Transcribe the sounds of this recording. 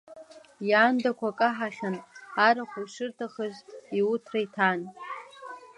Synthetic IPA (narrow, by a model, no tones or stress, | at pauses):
jaːndakʷʰakʼaħaχʲanaɾaχʷuʂɨrtʰaχəʒʷiʊtʰrajtʰan